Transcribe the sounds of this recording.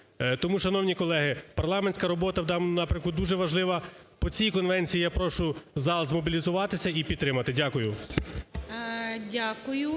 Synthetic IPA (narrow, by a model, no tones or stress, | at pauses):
t̪ɔmuʃɐnɔwnʲikɔlˠɛɦɪpɐrlˠɑmenʲsʲkɐɾɔbɔt̪ɐwd̪ɑnmʊnɑpɾʲɐmkʊd̪uʒɛʋɐʒlˠɪʋɐpɔt͡sʲijkɔnʋɛnʲt͡sʲijijapɾɔʃʊzɑlˠzmɔbʲilʲizʊʋɑt̪ɪsʲɐipʲid̪t̪t̪ɾɪmɐt̪ɪdʲakʊjʊ | dʲakʊjʊ